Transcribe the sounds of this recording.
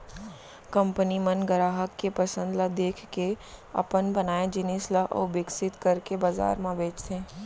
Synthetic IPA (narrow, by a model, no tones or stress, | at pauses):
kə̃mpənimənɡəɾaːɦəkːepɐsə̃nd̪lad̪eːkʰkeɐ̰pənbənaːjad͡ʒɪnislaʔɔ̰bɪksɪt̪kɐɾkebɐza̰ːɾmãbʱeːt͡ʃt̪ẽ